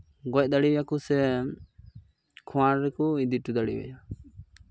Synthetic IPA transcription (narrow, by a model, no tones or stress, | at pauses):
ɡɔc̚d̪aɽiwjakusɛ | kʰɔ̃waɾɾɛkɔid̪iʈud̪aɽḭwɛ̰ja